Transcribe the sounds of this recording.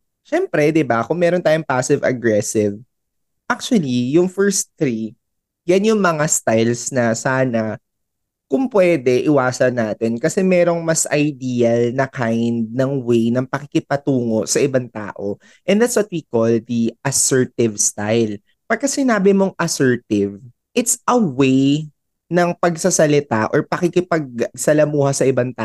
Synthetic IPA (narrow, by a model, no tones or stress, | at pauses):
ʃɛmpɾɛd̪ɪbakʊŋmɛːɾont̪aːjʊŋpasɪvɐ̰ɡɾɛsɪv | ʔak̚t͡ʃʊɐlijʊŋfɛɹsθɾi | janjʊŋmɐŋast̪ajlsnɐsaːnɐ | kʊŋpwɛd̪ɛʔɪwaːsɐnːaːt̪ɪnkɐsɛmɛːɾo̞ŋmɐsʔɐjd̪iːɐlnɐkajnd̪̚nɐŋwejnɐŋpɐkɪkɪpɐt̪uːŋo̞sɐʔɪbaŋt̪a̰ːʔo̞ | ʔɛ̃nd̪at̪swɐt̪̚wiːkold̪iʔɐsɛɹt̪ɪvst̪ajl | pɐɡkːasɪnaːbɪmo̞ŋʔɐsɛɹt̪ɪv | ʔɪt̪sʔɐwej | nɐŋpɐɡsɐsɐlɪt̪aʔɔɹpɐkɪkɪpɐɡ̚sɐlɐmuːhɐsɐʔɪbant̪aː